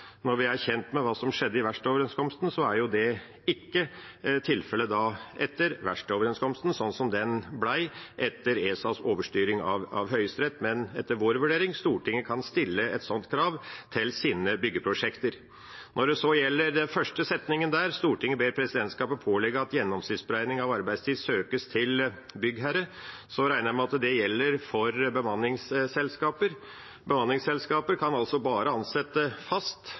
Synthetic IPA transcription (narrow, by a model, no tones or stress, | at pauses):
nɔɾʋɪæɾçɛnt̪mɛʋɑːsɔmʂɛd̪ːəɪʋæʂʈɔːʋəɾɛnskʰɔmst̪n̩sɔæɾjʊd̪ɛ | ɪkːət̪ʰɪlfɛləd̪ɑːɛt̪ːəɾʋæʂʈɔːʋəɾɛnskʰɔmst̪n̩sɔnːsɔmd̪ɛnblæɪʔɛt̪ːəɾeːsɑsoːʋəʂʈyːɾɪŋɑʋɑ̰ʋɦœʏst̪ɾɛt̪ːmɛnɛt̪ːəɾʋoːɾʋʉɖeːɾɪŋst̪uːʈʰɪŋːəkʰɑnst̪ɪlːəɛ̰t̪sɔnt̪kʰɾɑːʋt̪ʰɪlsiːnəbʏɡːəpʰɾʊʂɛkt̪əɾ | nɔɖɛsɔjɛlːəɾd̪ɛnfœʂʈəsɛt̪nɪŋənd̪æːɾst̪uːʈɪŋːəbeːɾpʰɾɛsɪd̪ɛnt̪skɑːpəpʰoːlɛɡəɑt̪jɛnːɔmsɪt̪sbəɾæɪnɪŋɑʋɑɾbæɪst̪ʰiːsøːkəst̪ʰɪl | bʏɡɦæɾə | sɔɾæɪnəmɛɑt̪d̪ɛjɛlːəɾfɔɾbəmɑnːɪŋssɛlskɑːpəɾ | bəmɑnɪŋsɛlskɑːpəɾkʰɑnɑlsɔbɑːɾəɑnsɛt̪ːəfɑst̪